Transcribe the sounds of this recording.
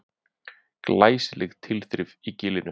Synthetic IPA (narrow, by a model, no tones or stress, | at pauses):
klaːjslɛɣt̪ʰɪlθɾɪvicɪːlɪnʏ